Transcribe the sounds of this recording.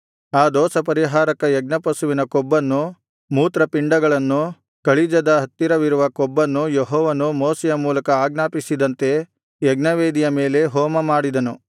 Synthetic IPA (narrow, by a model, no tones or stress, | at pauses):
aːd̪ɔːsɐpɐɾiɦaːɾɐkɐjɛɡ̚nɐpɐsuʋinɐkɔbːɐnːu | muːt̪ɾɐpiɳɖɐɡɐɭɐnːu | kɐɭid͡ʒɐd̪ɐɦɐt̪ːiɾɐʋiɾuʋɐkɔbːɐnːujeɦɔːʋɐnumoːsɛjɐmuːlɐkɐaːɡnaːpisid̪ɐnt̪e̞ | jɛɡnɐʋeːd̪ijɐme̞ːle̞ɦɔːmɐmaːɽid̪ɐnu